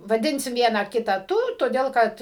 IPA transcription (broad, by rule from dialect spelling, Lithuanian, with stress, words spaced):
ʋɐˈdʲɪnʲsʲɪm ˈʋʲiɛnɑː ˈkʲɪtɑː ˈtʊ toːˈdʲeːlˠ ˈkɐt